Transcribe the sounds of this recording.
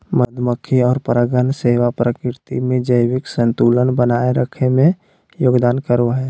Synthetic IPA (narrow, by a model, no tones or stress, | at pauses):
məd̪ʱməkʰːiɔːɾpɾəɡənseːʋapɾəkɪɾt̪ḭmẽd͡ʒəjwɪksə̃nt̪uːlənbənaːeɾəkʰemẽ | joːɡd̪aːnkəɾoɦɛː